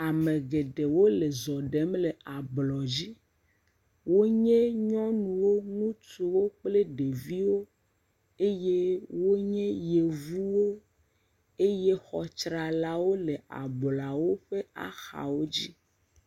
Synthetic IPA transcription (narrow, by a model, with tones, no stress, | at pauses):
a˨me˨ɡe˨ɖe˨wo˦le˨zɔ˨ɖe˨˦mle˨a˨blɔ˨d͡ʑi˦ | wo˦ɲẽ˦ɲɔ̃˦nũ˨wo˦ŋũ˦t͡ʃu˨wo˦k͡ple˦ɖe˨vi˦wo˦ | e˦je˦wo˦ɲẽ˦je˨vu˦wo˦ | e˦je˦xɔ˨t͡ʃɾa˨la˦wo˦le˨a̰˨bla˨wo˦ɸe˦a̰˨xa̰˨wo˦d͡ʑi˦